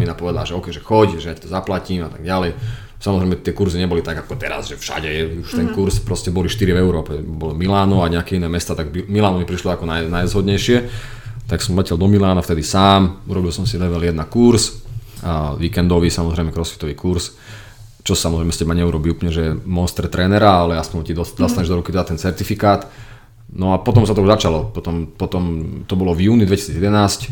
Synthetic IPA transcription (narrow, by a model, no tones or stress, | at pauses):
inapɔʋɛd̪alʒɛɔkɛjʒɛxɔɟʒɛjacḁt̪ɔzaplaciːmat̪aɡ̚ɟalɛj | samɔzɾɛjmɛt̪ɪɛkuɾziɲɛbɔlit̪aɡakɔt̪ɛɾa̰zʒɛfʃa̰ɟɛuʃt̪ɛnkuɾspɾɔscɛbɔliʃt̪iɾivɛʊɾɔːpɛbɔlɔmilaːnɔaɲɛakɛinɛːmɛst̪aːt̪aɡimilaːnɔmipɾiʃlɔakɔnajnajzɦɔd̪ɲɛjʃɪɛ | t̪aksɔmlɛcɛld̪ɔmilaːnaft̪ɛd̪isaːmuɾɔbilsɔmsid̪ɛʋɛljɛd̪nakuɾs | ʋiːkɛnd̪ɔʋisamɔzɾɛjmɛkɾɔsʋi̥t̪ɔʋiːkuɾs | t͡ʃɔsamɔzɾɛɪjmɛscɛbaɲɛuɾɔbiːuːplɲɛʒɛmɔnst̪ɛɾt̪ɾɛːnɛɾaalɛaspɔɲt̪id̪ɔd̪ast̪aɲɛʒd̪ɔɾukit̪ɛd̪at̪ɛnt͡sɛɾt̪ifikaːt̪ | nɔapɔt̪ɔmsat̪ɔuzat͡ʃalɔpɔt̪ɔmpɔt̪ɔmt̪ɔbɔlɔvjuːnid̪ʋɛci̥siːd͡zjɛd̪ɛnaːsc